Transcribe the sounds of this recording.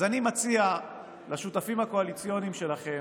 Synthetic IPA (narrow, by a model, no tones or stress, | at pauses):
zanimat͡sia | laʃut̪afimhako̞alit͡sjo̞nimʃe̞laχe̞